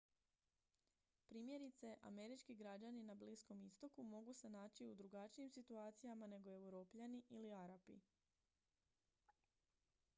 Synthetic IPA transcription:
pɾiːmje̞ɾit̪se̞ʔa̰me̞ɾit͡ʃkiɡɾad͡ʑaninabliːsko̞mist̪o̞kumo̞ɡusenaːt͡ɕiud̪ɾuɡat͡ʃijimsit̪uaːt̪sijamane̞ɡo̞e̞wɾo̞ːpʎaniʔiliaɾapḭ

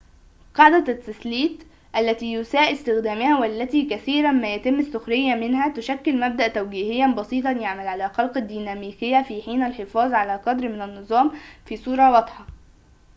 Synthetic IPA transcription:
qɑʕd̪æt̪ːɪsliːt̪ | ʔælːæt̪iːjʊsæːʔɪst̪ɪxd̪æːmɪhæwælːæt̪iːkæθiːɾæmæːjæt̪ɪmːɪsːʊxɾɪjːæmɪnhæt̪ʊʃækːɪlmæb̚d̪æʔt̪æwɡiːhɪjːænbɑsˤiːt̪ˤɑnjaʕmælʕalæːxɑlqɑd̪ːiːnæmiːkɪjːæfiːħiːnælħefɑːzˤʕalæːqɑd̪ɾmɪnænːɨzˤɑːmfiːsˤuːɾˤɑwɑd̪ˤħɑ

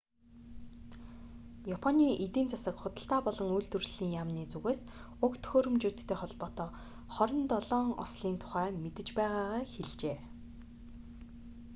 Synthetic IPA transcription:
japʰɔniːʔit̪iːnt͡sasə̆kχʊt̪ə̆ɬt̪aːpɔɮɞ̆ŋujɮt̪ŭrɮ̥iːŋjamniːt͡suɣeːs | ʊkt̪ʰɵ̥xoːɾɵ̆mt͡ɕuːt̪ʰt̪ʰːeːχɔɮpɔːt̪ɔː | χɔɾʲɪ̆nt̪ɔɮɔːŋɔ̰sɮiːnt̪ʰʊ̥χæːmet̪ɘ̆t͡ɕpæːʁaːʁaːxeɮt͡ɕeː

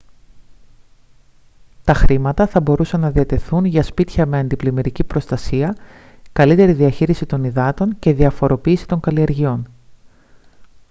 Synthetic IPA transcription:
t̪ɐxɾimɐt̪ɐθɐbo̞ɾusɐnːɐðiɐt̪e̞θunʝɐspit̪çɐme̞ɐnd̪iplimeɾicipɾo̞st̪ɐsiɐ | kɐlit̪e̞ɾiðiɐçiɾisit̪o̞niðɐt̪o̞ɲce̞ðiɐfo̞ɾo̞piːsi̥t̪o̞ŋɡɐlie̞ɾʝio̞n

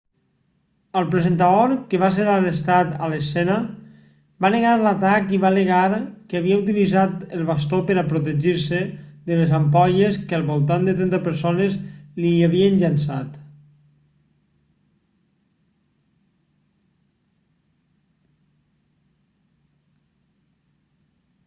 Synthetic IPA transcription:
əlˠpɾezent̪aoɾkeβaseɾarest̪at̪alesɛnə | baneɣaɾlat̪akiβaleɣaɾkeaβiaut̪̬ilizat̪elˠβas̬t̪opəɾapɾut̪eʒiɾseðelezamp̬ɔʎeskəlˠβolˠt̪and̪et̪ɾɛnt̪apəɾsonezliaβiənʎansa̰t̪

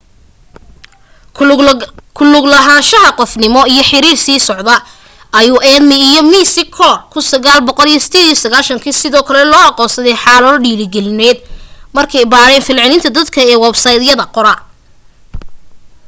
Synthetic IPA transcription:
kʰʊlʊɡlɐɦaːnʃɐɦɐqɔfnɪmɔijɞħɪɾiːrsiːsɔʕd̪ɐ | ɐjuːʔɛːd̪mɪːjɔmiːsɪkʰɔːrkʰʊsɐɣaːlbɔqɔlijɔsɪ̥t̪ʰeːd̪ijɔsɐɣaːlʃɐŋkʰiːsɪðɔːkʰɐlɛlɔːɑqɔːsɐðɛjħɑːlɐðɔɖiːlɪɡɛlɪnɛːd̪mɐrkʰɛjbaːɾɛːnfɪlʕɪlɪnt̪ʰɐd̪ɐd̪kʰɐɛːwɛbsɐjd̪jɐðɐqɔɾɐ

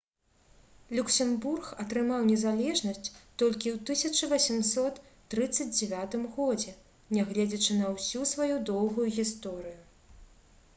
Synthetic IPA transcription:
lʲuksʲɛmburxɐt̪ɾɨmawnʲɛzalʲɛʐnɐsʲt͡sʲt̪ɔlʲkʲiwt̪ɨsʲɐt͡ʂɐvɐsʲimsɔt̪ː | ɾɨt̪sːɐd͡zʲd͡zʲɛvʲat̪ɨmɣɔd͡zʲɛ | nʲɛɣlʲɛd͡zʲɐt͡ʂɨnɐwsʲusvajud̪ɔwɣujuɣʲist̪ɔɾɨju

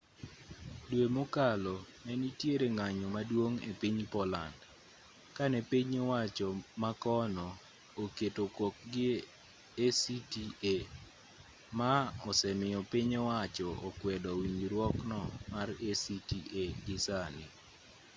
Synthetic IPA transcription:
dwemokalɔnɛnitjeɾeŋaɲɔmadwoŋḛpiɲpɔla̰nd | kanɛpiɲewat͡ʃɔmakɔnɔ | oketokok̚ɡɪ | esitie | maɔsɛmɪjɔpiɲɔwat͡ʃɔʔokwɛdɔwiɲiɾwɔknɔmaresitiʔeɡɪsanɪ

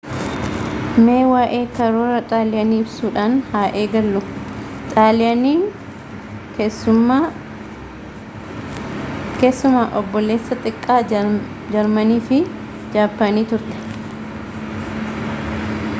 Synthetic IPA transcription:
me̞ːwaːʔe̞ːkɐɾoːɾɐt̪ʼaːlɪɐniːɪbsuːᶑaːnhaːʔe̞ːɡɐlːʊ | t̪ʼaːlɪɐniː | keʊː | ke̞ːsːʊmaːʔɔbːɔlːe̞ːsːɐt̪ʼɪkʼːaː | d͡ʒɐɾmɐniːfɪ | d͡ʒaːpːɐniːt̪ʊɾt̪ɛ̥

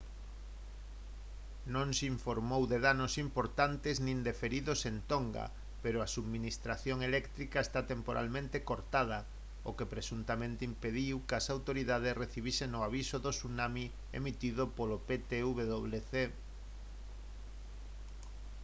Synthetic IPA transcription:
nõŋsiɱfoɾmowðeðanosimpoɾt̪ant̪eznĩnd̪efeɾiðosent̪oŋɡa̰ | peɾoasuðminist̪ɾaθjoŋelɛkt̪ɾikaest̪at̪empoɾʔa̰lmẽnt̪ekoɾt̪að̞ɐ | okepɾesunt̪amẽnt̪eimpeðiwkasawt̪oɾiðað̞esreθiβiseŋoaβisoðosunami | ḛmit̪iðopolopet̪euβeðoβleθe

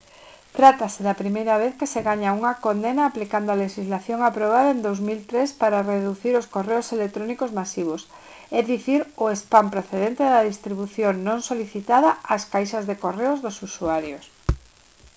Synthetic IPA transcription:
t̪ɾat̪asɪðɐpɾimejɾɐβ̞eθkeseɣaɲauŋɐkond̪enaːplikand̪oaleʃizlaθjoŋapɾoβ̞aðɐend̪owzmilt̪ɾespaɾareðuθiɾoskoreʊselek̚t̪ɾonikozmasiβ̞ʊs | eðiθiɾʊespampɾoθeðent̪eðɐðist̪ɾiβuθjoŋnõŋsoliθit̪aðɐaskajʃɐzðekoreʊzðʊsusuaɾjos

